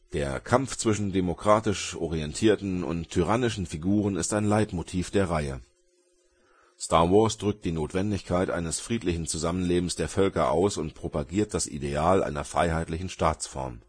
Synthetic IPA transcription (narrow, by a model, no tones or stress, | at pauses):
d̥eːɐkʰamft͡sv̥ɪʃn̩demokʁ̥aːtɪʃʔɔ̰ʁiɛntʰiːɐtn̩ʊ̰ntʰːyʁ̞anɪʃn̩fiɡuːʁ̞ənɪstaɪnlaɪtmotʰiːfd̥eːɐʁaɪə̰ | staːɐwɔɐsd̥ʁʏk̚t̚d̥iːnoːtv̥ɛndɪçkʰaɪtʔa̰ɪnəsfʁ̥iːtlɪçn̩t͡suzamənleːbm̩sd̥eːɐfœlkɐʔa̰ʊsʊntpʁ̥opaɡiːɐt̚d̥asʔḭdeaːlʔa̰ɪnɐfʁ̥a̰ɪɦaɪtlɪçn̩ʃtaːt͡sfɔ̰ɐm